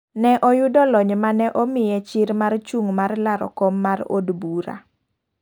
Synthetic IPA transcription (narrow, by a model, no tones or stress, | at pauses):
nɛʔɔjʊdɔlɔɲmanɛʔɔmɪjɛt͡ʃɪɾmart͡ʃuŋmarlaɾɔ̰kɔmːaro̰dbuɾa̰